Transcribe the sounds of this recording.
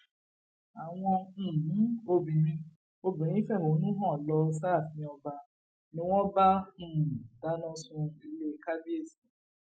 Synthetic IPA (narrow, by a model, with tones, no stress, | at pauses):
a˨w̃ɔ̃˧˨˦o˧bĩ˨ɾ̃ĩ˧ | o˧bĩ˨ɾ̃ĩ˦fɛ˦˨ho˨˦nũ˦ɦɔ̃˦˨lɔ˧s̬a˦˨fĩ˧˦ɔ˧ba˧ | nĩ˦w̃ɔ̃˦bã˦˨ | da˨˦nɔ̃˧sũ˧i˧le˦ka˦bi˦e˦˨sĩ˨˦